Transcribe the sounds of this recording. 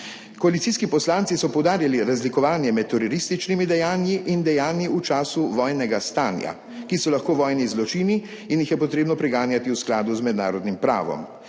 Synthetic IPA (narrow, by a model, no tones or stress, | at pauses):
kɔalit̪siːskipɔslaːntsisɔpɔwd̪aːɾjaliɾazlikɔʋaːnjɛmɛt̪̚ːɔɾɔɾist̪it͡ʃnimid̪ɛjaːnjiʔind̪ɛjaːnjiut͡ʃaːsuʋɔːjnɛɡast̪aːnja̰ | kisɔlaxkoːʋɔːjnizlɔt͡ʃini | injixjɛpɔt̪ɾeːbnɔpɾɛɡaːnjat̪iusklaːd̪uzmɛd̪na̰ːɾɔd̪nimpɾa̰ːʋɔ̰m